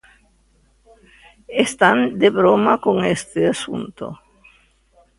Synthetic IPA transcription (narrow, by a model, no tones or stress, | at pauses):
est̪and̪eβɾomakoŋest̪easṵnt̪o̰